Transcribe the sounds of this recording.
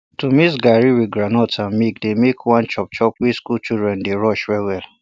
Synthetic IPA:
tomisɡaɹiwiɡɹanɔtãmikdemekʰwãnt͡ʃɔp̚t͡ʃɔpwiskult͡ʃidɹɛ̃ndeɹɔʃwɛiwɛl

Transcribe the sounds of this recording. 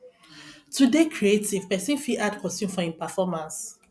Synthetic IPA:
tudekʰɹietiv̥pɛsĩnfiʔadkʰɔsũmfɔĩnpafɔmãns

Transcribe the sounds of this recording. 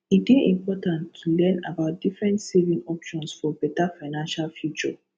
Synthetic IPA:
ideĩmpɔtãnttʰulɛ̃na̰baʊt̚d̥ifɹɛ̃ntsevĩŋɔpʃɔ̃nsfɔbɛtafaɪnãnʃalfjut͡ʃɔ̰

